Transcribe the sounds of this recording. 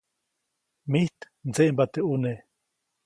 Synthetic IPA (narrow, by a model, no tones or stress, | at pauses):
miht̪ | nt͡seʔmbat̪eʔune